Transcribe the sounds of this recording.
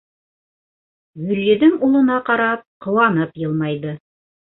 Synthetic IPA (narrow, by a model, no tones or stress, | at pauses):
jɵ̆lːɘ̆ðɘŋulˠɤ̆nɑqɑɾɑp̚qŏwɑnɤpjɤlˠmɑjðɤ